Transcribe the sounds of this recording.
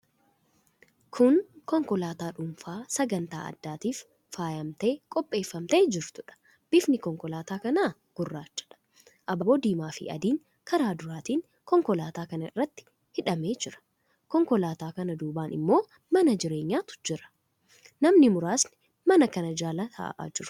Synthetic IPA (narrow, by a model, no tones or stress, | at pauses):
kʰʊnkɔŋkɔlaːt̪aːᶑʊmfaːsɐɡɐnt̪a̰ːʔɐ̰d̪ːaːt̪iːfː | aːjɐmt̪e̞ːkʼɔpʼːe̞ːfːɐmt̪e̞ːd͡ʒɪɾt̪ʊᶑɐ̥ | b̥ɪfnɪkɔŋkɔlaːt̪aːkɐnaː | ɡ̥ʊrːaːt͡ʃːɐ̥ᶑɐ̥ | ʔɐbɐboːd̪iːmaːfɪ̰ʔɐ̰d̪iːŋ | kʰɐɾaːd̪ʊɾaːt̪iːŋ | kɔŋkɔlaːt̪aːkɐnɐɪrːɐt̪ːɪ̥ | hɪᶑɐme̞ːd͡ʒɪɾɐ̥ | kɔŋkɔlaːt̪aːkɐnɐd̪uːbaːnɪ̰mːo̞ː | mɐnɐd͡ʒɪɾe̞ːɲːaːt̪ʊ̥d͡ʒɪɾɐ̥ | nɐmnɪmʊɾaːsnɪ̥ | mɐnɐkɐnɐd͡ʒaːlɐt̪ʰɐ̰ʔʔa̰ːd͡ʒɪɾ